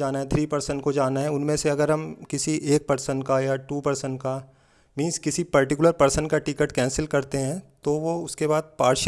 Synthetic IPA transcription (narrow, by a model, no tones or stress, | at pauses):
aːnaɦɛt̪ʰɾiːpɐɾsəɳkod͡ʒaːnaɦɛʊnmẽseɐɡəɾɦɐmkɪsiʔeːk̚pɐɾsənkajaʈuːpɐɾsəɳka | mĩːnskɪsipɐɾʈɪkʊləɾpɐɾsənkaʈɪkəʈkɛ̃ːnsəlkɐɾt̪eɦɛ̃ːt̪oʋoʊskebaːd̪̚paːɾʈʃ